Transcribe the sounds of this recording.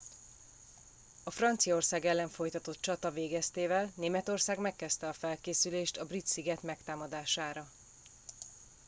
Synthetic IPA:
ɒfrɒnt̪sijɒorsaːɡɛlːɛɱfo̞jt̪ɒt̪o̞t̪̚t͡ʃɒt̪ɒveːɡɛst̪eːvɛlneːmɛt̪o̞rsaːɡmɛkːɛst̪ɛɒfɛlkeːsyleːʃt̪ɒbrit̪siɡɛt̪mɛkt̪aːmɒd̪aːʃaːɾɒ

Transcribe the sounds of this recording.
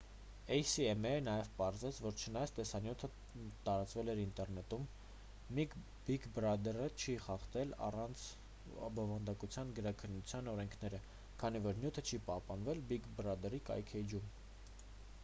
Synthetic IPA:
ɛjsiɛmɛnɑjɛvpɑɾzɛt͡sʰvɔɾt͡ʃʰənɑjɑt͡sʰt̪ɛsɑnjut̪ʰə | t̪ɑɾɑt͡svɛlɛɾint̪ɛrnɛt̪umː | ik | bikbrɑd̪ɛrət͡ʃʰiχɑχt̪ɛlɑ̰rɑnt͡sʰ | bɔvɑnd̪ɑkut͡sʰjɑnɡəɾɑkʰənːut͡sʰjɑnɔɾɛŋkʰnɛɾə | kʰɑnivɔɾnjut̪ʰət͡ʃʰipɑhpɑnvɛlbikbɾɑd̪ɛrikɑ̰jkʰɛd͡ʒum

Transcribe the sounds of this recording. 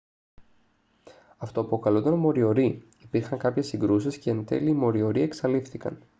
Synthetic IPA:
ɐft̪o̞ːpokɐlut̪ɐnmo̞ɾio̞ɾi | ipiɾxɐŋkɐpçesːiŋɡɾusisceent̪e̞̰liːmo̞ɾio̞ɾie̞ksɐlifθikɐ̰n

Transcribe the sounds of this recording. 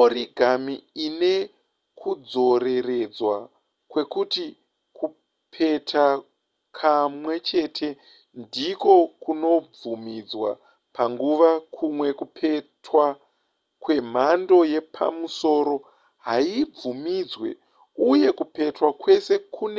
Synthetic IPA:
oriɡʱamiine̞ | kʰud͡zo̞ɾe̞re̞d͡zwa | kwe̞kuti | ku | pʰe̞tʰa | kʰamwe̞t͡ʃe̞tʰe̞ | ndiko̞kuno̞b͡vvumid͡zwa̰ | paŋɡuʋakʰumwe̞kupʰe̞twa | kwe̞m̤ando̞je̞pʰa̰muso̞ːɾo̞ | ɦaib͡vumid͡zwe̞̰ | uje̞kupe̞twakwe̞se̞kʰune

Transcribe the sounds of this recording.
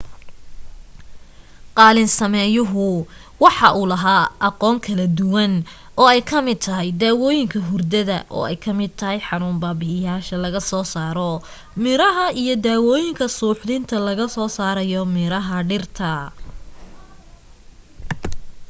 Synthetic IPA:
qɑːlɪnsɐmɛjʊɦʊ | wɑħɑʔuːlɐɦaːʔɑqɔːŋkʰɐlɐd̪ʊwɐn | ɔːɛjkʰɐmɪd̪̚t̪ʰɐɦɛjd̪aːwɔːjɪŋkʰɐɦʊrd̪ɐðɐ̰ʔɔ̰ːɛjkʰɐmɪd̪̚t̪ʰɐɦɛjħɑnuːmbaːbɪɪjaːʃɐlɐɣɐsɔːsaːɾɔ | mɪɾɐɦɐijɔd̪aːwɔːjɪŋkʰɐsuːħd̪ɪnt̪ʰɐlɐɣɐsɔːsaːɾɐjɔmɪɾɐɦɐɖɪrt̪ʰɐ

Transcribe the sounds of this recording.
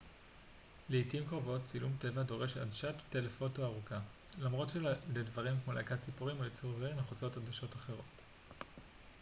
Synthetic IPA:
leitimkʁovo̞tt͡silumte̞vado̞ʁe̞ʃa̰dʃat̪tːelefo̞toaʁuka | lamʁo̞tʃeledvaʁimkmolḛkatt͡sipuʁimojit͡suʁzeʁineχut͡so̞tadaʃo̞taχe̞ʁ̞o̞t

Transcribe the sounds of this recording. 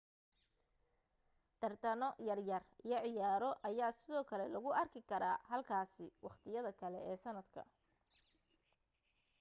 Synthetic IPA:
t̪ʰɐrt̪ʰɐnɔjɐrjɐrijɞʕɪjaːɾɔʔɐjaːsɪðɔːkʰɐlɛlɐɣʊʔɐrkʰɪkʰɐɾaːɦɐlkʰaːsɪwɑχt̪ʰɪjɐðɐkʰɐlɛ̰ʔɛːsɐnɐd̪kʰɐ̰

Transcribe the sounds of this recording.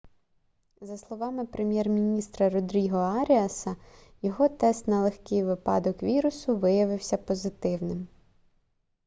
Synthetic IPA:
zɐslˠɔʋɑmɪpɾemʲjɛrmʲinʲist̪ɾɐɾɔd̪ɾʲiɦɔɑɾʲiɐsɐ | jɔɦɔt̪ɛst̪nɐlˠexkɪjʋɪpɑ̰d̪ɔkʋʲiɾʊsʊʋɪjɐʋɪwsʲɐpɔzɪt̪ɪwnɪm

